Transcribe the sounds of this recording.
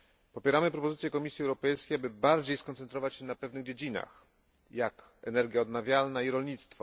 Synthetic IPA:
pɔpʲjɛɾamɘpɾɔpɔzɘt̪ʲjɛkɔmʲisʲjiɛwɾɔpɛjskʲejabɘbaɾd͡ʑejskɔnt̪sɛnt̪ɾɔvat͡ɕɕɛnapɛvnɘɣd͡ʑed͡ʑina̰x | jak | ɛnɛɾɡʲjaɔd̪navʲjalnaiɾɔlɲit̪st̪fɔ̰

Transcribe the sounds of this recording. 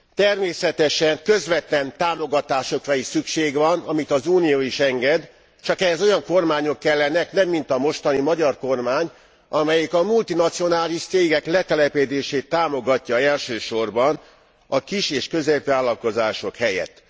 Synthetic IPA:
t̪ɛrmeːsɛt̪ɛʃɛŋkø̞zʋɛt̪lɛnt̪aːmo̞ɡɒt̪aːʃo̞krɒiʃsykʃeːɡʋɒnɒmit̪ɒzuːnijoːiʃɛŋɡɛd̪ | t͡ʃɒkɛɦɛzo̞jɒŋko̞rmaːɲo̞kːɛlːɛnɛknɛmːint̪ɒmo̞ʃt̪ɒnimɒɟɒrko̞rmaːɲ | ɒmɛjɛkɒmult̪inɒt̪sijo̞naːliʃt̪seːɡɛklɛt̪ɛlɛped̪eːʃeːt̪ːaːmo̞ɡɒcːɒɛlʃøːʃo̞rbɒn | ɒkiʃeːʃkø̞zeːpʋaːlːɒlko̞zaːʃo̞khɛjɛ̰t̪ː

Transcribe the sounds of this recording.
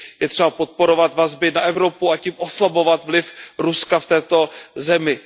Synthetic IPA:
jɛt̪r̥ɛbapot̪̚po̞ɾo̞vat̪vazbɪnaʔɛvɾo̞puacimʔo̞slabo̞vat̪vlɪfɾuskaft̪ɛːt̪o̞zɛmɪ

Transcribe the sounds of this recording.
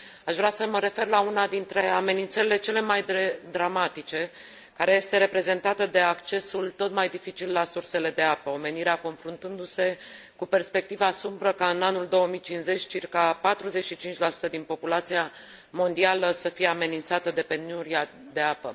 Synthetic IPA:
aʃvɾeasəməɾe̞fe̞rlaunad̪int̪ɾe̞ame̞nint̪səɾile̞t͡ʃe̞le̞majd̪ed̪ɾamat̪it͡ʃe̞ | kaɾeje̞st̪e̞ɾe̞pɾe̞ze̞nt̪at̪əd̪e̞akt͡ʃe̞sult̪o̞t̪majd̪ifit͡ʃilːasurse̞le̞d̪e̞apəo̞me̞niɾeako̞nfɾunt̪ɨnd̪use̞ | kupe̞rspe̞k̚t̪ivasumbɾəkaɨnanuld̪o̞əmijt͡ʃinsze̞t͡ʃʲt͡ʃirkapat̪ɾuze̞t͡ʃʃit͡ʃint͡ʃʲlasu̥t̪əd̪inpo̞pulat̪sija | mo̞nd̪ialəsəfije̞ame̞nint̪sat̪əd̪e̞pe̞nuɾia | d̪e̞apə̰

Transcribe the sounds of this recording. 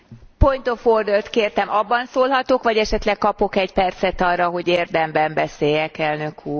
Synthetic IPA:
pojt̪oford̪olt̪keːrt̪ɛmɒbːɒnsoːlɦɒt̪okʋɒɟɛʃɛt̪lɛkkɒpo̞kɛcpɛrt̪sɛt̪ɒrːɒɦo̞ɟeːrd̪ɛmbɛmbɛseːjɛkɛlnøkʰuːr

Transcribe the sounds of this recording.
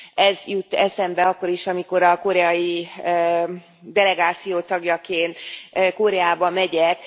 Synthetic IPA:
ɛzjut̪ːɛsɛmbɛɒkːo̞ɾiʃɒmiko̞ɾɒko̞ɾɛɒji | d̪ɛlɛɡaːt̪sijoːt̪ɒɡjɒkeːnt̪ko̞ɾɛaːbɒmɛɟɛk

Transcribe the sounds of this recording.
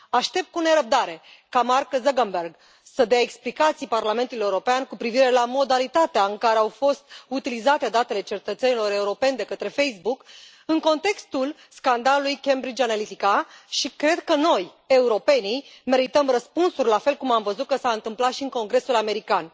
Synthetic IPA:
aʃt̪e̞p̚t̪̚kune̞ɾəb̚d̪aɾe̞kamarkəzəɡənberɡ | səd̪eaeksplikat̪sijparlame̞nt̪ulujeuɾo̞peankupɾiviɾe̞lamo̞d̪alit̪at̪eaɨŋkaɾeawfo̞st̪ut̪ilizat̪e̞d̪at̪e̞le̞t͡ʃe̞t̪ət̪se̞nilo̞ɾe̞uɾo̞pe̞nʲd̪e̞kət̪ɾe̞fe̞jsbuk | ɨŋko̞nt̪e̞kst̪ul | skand̪alulujkembɾid͡ʒanalit̪ikaʃikɾe̞d̪kəno̞j | e̞uɾo̞pe̞nime̞ɾit̪əmrəspunsurʲlafe̞lkumamvəzut̪̚kəsaɨnt̪ɨmplat̪ʃiɨŋko̞ŋɡɾe̞sulame̞ɾikan

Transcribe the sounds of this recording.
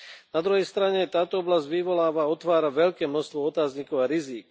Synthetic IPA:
nad̪ɾuɦɛjst̪ɾaɲɛt̪aːt̪ɔɔblazɟʋiʋɔlaːʋaɔt̪ʋaːɾaʋɛʎkɛːmnɔst̪ʋɔɔt̪aːzɲikɔʊaɾiziːk

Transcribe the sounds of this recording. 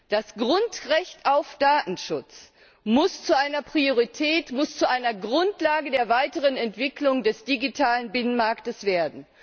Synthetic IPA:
d̥asɡ̥ʁʊntʁɛçtaʊfd̥aːtn̩ʃʊt͡s | mʊst͡suʔaɪnɐpʁ̥ioʁitʰɛːtmʊst͡suʔaɪnɐɡʁʊntlaːɡədeːɐvaɪtəʁənɛntv̥ɪklʊŋdɛsd̥iɡitʰaːlənbɪnənmaɐktəsv̥eːɐdn̩

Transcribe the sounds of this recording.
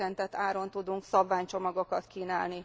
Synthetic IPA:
ɛnt̪ɛt̪ːaːɾo̞nt̪ud̪uŋksɒbvaːɲt͡ʃo̞mɒɡo̞kɒt̪kiːnaːlni

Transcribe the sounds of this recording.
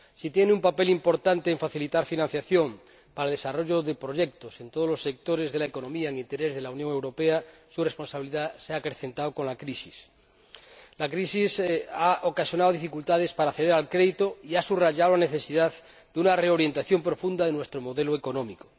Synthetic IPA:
sit̪jeneumpape̞limpo̞ɾt̪ant̪eːɱfaθilit̪aɾfinãn̟θjaθjo̞ŋ | paɾalðe̞saro̞ʝoðe̞pɾo̞ʝe̞k̚t̪osent̪oð̞ozlosːek̚t̪oɾezðe̞laeko̞nõ̞miaeŋint̪eɾezðe̞launjoŋe̞wɾo̞peasurespo̞nsaβiliðaseakɾeθẽ̞nt̪aoko̞nlakɾisis | lakɾisisaokasjonaðoðifikult̪að̞e̞spaɾaθeðeɾalkɾeðit̪oiasuraʝaðolane̞θe̞siðað | d̪eunare̞o̞ɾje̞nt̪aθjo̞mpɾo̞fund̪aðenwe̞st̪ɾomo̞ðe̞loeko̞nõmiko

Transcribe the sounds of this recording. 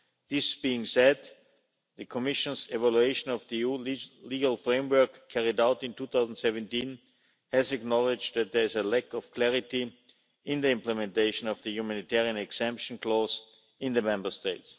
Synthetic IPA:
ðɪsb̥iɪ̃ŋsɛd̪ | ðəkʰɔmɪʃə̃nsɛvalueɪʃə̃nɔvðiuliɡəlˠfɹẽɪ̃mwɜ˞kʰːɛɹɪdaʊtɪ̃ntuːθaʊzn̩dtsɛvə̃ntĩn | hɛzɨknɔlɪd͡ʒðæt̪̚ðɛ˞ɪzəlɛkɔfkʰlɛɹɪti | ɪ̃nðiɪ̃mpləmɛ̃nteɪʃə̃nɔvðəjumæ̃nitʰɛɹiə̃nɛksɛ̃mpʃə̃nkʰlɔz | ɪ̃nðəmɛ̃mbə˞steɪts

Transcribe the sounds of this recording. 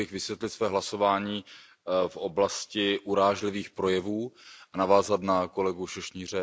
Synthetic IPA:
ɪxvɪsvjɛt̪lɪt̪svɛːɦlaso̞vaːɲiː | fʔo̞blascɪʔuɾaːʒlɪviːxpɾo̞jɛvuːʔanavaːzat̪nako̞lɛɡuʃoʃɲiːr̝ɛ

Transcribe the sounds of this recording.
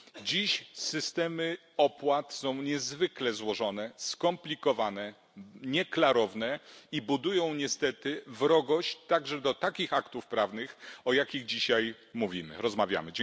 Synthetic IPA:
d͡ʑiɕsɘst̪ɛmɘ | ɔpwat̪sɔ̃w̃ɲɛzvɘklɛzwɔʐɔnɛskɔmplʲikɔvanɛ | ɲɛklaɾɔvnɛibud̪ujɔ̃w̃ɲɛst̪ɛt̪ɘvɾɔɡɔɕt͡ɕt̪aɡʐɛd̪ɔt̪akʲixakt̪ufpɾavnɘxɔjakʲiɣd͡ʑiɕaj | muvʲimɘ̰ɾɔzmavʲja̰mɘd͡ʑ

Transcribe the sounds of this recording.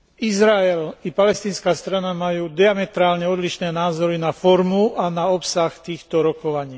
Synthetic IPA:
izɾaɛlipalɛst̪iːnskaːst̪ɾanamajuːd̪iamɛt̪ɾaːlɲɛɔd̪liʃnɛːnaːzɔɾinafɔɾmuanaɔpsaxt̪iːxt̪ɔɾɔkɔʋaɲiː

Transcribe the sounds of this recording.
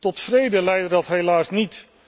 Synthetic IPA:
tɔtfrejdəlɛjdədɑtɦelaːsnit

